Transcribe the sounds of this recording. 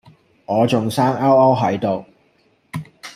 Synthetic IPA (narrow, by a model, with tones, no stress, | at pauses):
ŋɔː˨˧t͡sʊ˨ŋsaː˥ŋɐ˥wɐ˥wɦɐ˨˥jt̪o˨˧w